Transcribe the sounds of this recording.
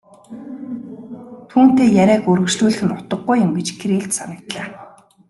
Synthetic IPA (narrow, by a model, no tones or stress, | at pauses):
t̪ʰuːn̥t̪eːjæɾʲæːkɵɾɵ̆kʃɮuːɮɘ̆xɘ̆nʊt̪ə̆ɡːujʊ̆mɡet͡ɕkʰeɾeːɮt̪sanə̆kt̪ɮaː